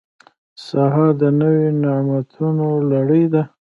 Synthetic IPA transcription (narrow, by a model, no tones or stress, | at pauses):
sɑɦɑɾd̪ənəwenɪmat̪ʰunolaɽəjd̪a